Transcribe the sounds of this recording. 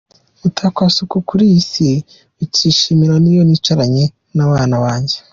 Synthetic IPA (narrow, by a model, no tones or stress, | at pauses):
utʰakwasukukuɾiisi | uciːʃimiɾanijonit͡ʃaɾaɲe̞ | naβaːnaβaːɲɟe